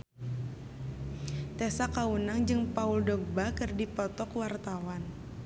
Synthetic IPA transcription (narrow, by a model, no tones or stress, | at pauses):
t̪esakaunaŋd͡ʒɨŋpauldɔɡ̚bakɨrdipɔt̪ɔkwart̪awan